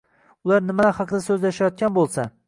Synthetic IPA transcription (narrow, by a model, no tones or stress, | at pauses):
ʊlˠaɾnɪmalahɑqʰɨd̪asɵzlajʃajɒt̪̚kʲanbolˠsa